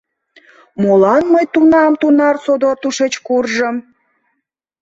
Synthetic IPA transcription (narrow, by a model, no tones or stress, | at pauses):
molɑnməjt̪unɑmt̪unɑrsod̪oɑt̪uʃet͡ɕkurʒəm